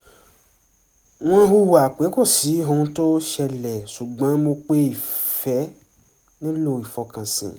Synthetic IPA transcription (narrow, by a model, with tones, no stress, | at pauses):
w̃ã˦ɦu˦wa˨k͡pe˨˦ko˦˨si˨˦ɦõ˧˦to˦ʃɛ˧lɛ˨su˨ɡ͡bã˨˦mo˧k͡pe˦i˦˨fɛ˨˦ | nĩ˦lo˦˨i˨fɔ˧kã˨sḭ̃˨